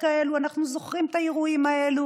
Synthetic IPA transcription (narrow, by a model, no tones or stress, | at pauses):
kaeːluanaχnuzoχʁimet̪ajeɣuimaeːlu